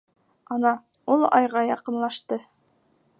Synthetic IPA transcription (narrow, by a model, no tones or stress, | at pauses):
ɑnɑ | ulˠɑjʁɑjɑqɤ̆nlˠɑʃt̪ɤ